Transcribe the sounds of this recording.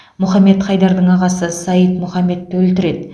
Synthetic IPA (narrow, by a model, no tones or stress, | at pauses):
mʊχɑme̞t̪χɑjd̪ɑɾd̪əɴɑʁɑsəsɑjət̪mʊχɑme̞t̪ːɪwɵlt̪ɪɾe̞d̪ɪ